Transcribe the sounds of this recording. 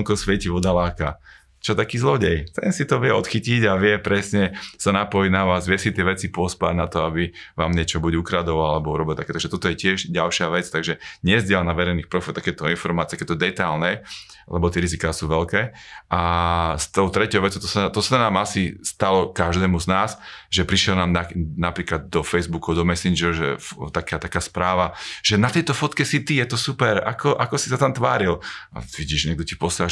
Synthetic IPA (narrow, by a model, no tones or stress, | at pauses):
ŋkɔsʋɛciʋɔd̪alaːka | t͡ʃɔɛt̪akiːzlɔɟɛjt̪ɛ̰nsit̪ɔʋɪɛɔt̪xiciɟaʋɪɛpɾɛsɲɛsanapɔjnaʋaːzʋɪɛsit̪ɪɛʋɛt͡sipɔspaɟnat̪ɔabiʋaːmɲɛt͡ʃɔbuɟukɾad̪ɔʋalalɛbɔuɾɔbilt̪akɛːt̪aɡʒɛt̪ɔt̪ɔjɛcɪɛʒɟalʃɪaʋɛt͡st̪aɡʒɛɲɛzɟɪɛlanaʋɛɾɛjniːxpɾɔfilt̪akɛt̪ɔinfɔɾmaːt͡siɪɛakɛːt̪ɔd̪ɛt̪ajlnɛ | lɛ̰bɔt̪ɪɛɾizikaːsuʋɛlkɛːʔast̪ɔʊt̪ɾɛcɔʊʋɛt͡sɔʊt̪ɔsat̪ɔsanaːmasist̪alɔkaʒd̪ɛːmuznaːsʒɛpɾiʃjɛlnaːmnanapɾiːklad̪̚ːɔfɛjzbukud̪ɔmɛsind͡ʒɛɾʒɛ̰ft̪akat̪akaːspɾaːʋaʒ̥ɛnat̪ɛjt̪ɔfɔt̪kɛsit̪ijɛt̪ɔsupɛɾa̰kɔʔakɔsi̥sat̪amt̪ʋaːɾila̰ʋiɟiːʒɲɛɡ̚d̪ɔcipɔsaa